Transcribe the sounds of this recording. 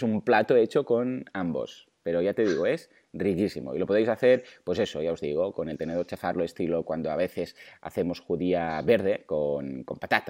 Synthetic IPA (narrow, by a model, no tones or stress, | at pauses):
sumplat̪oet͡ʃokonambo̰s | pe̞ɾojat̪e̞ðiɣoes | rikisimo̰ilopoðejsaθeɾpwesesojaozðiɣokonelt̪eneðoɾt͡ʃefaɾloest̪ilokwand̪oaβeθesa̰θe̞mosxuðiaβeɾðe̞konkompat̪at̪a